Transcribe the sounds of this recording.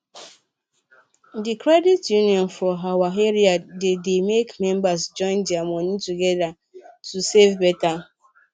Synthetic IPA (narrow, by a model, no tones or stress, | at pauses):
dikɾɛditjuniɔ̃nfɔɦawaɦeɾiadedemekmɛ̃mbasd͡ʒɔ̃ɪ̃ndiamɔnituɡɛda | tusevbɛta